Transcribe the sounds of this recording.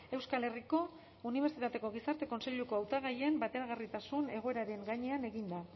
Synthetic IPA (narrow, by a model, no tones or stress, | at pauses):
e̞wskale̞riko̞ | uniβ̞e̞ɾsit̪at̪e̞ko̞ɣ̞isaɾt̪e̞ko̞nse̞ʎuko̞awt̪aɣajembat̪e̞ɾaɣ̞arit̪asune̞ɣ̞o̞e̞ɾaɾe̞ŋɡaɲe̞ane̞ɣind̪a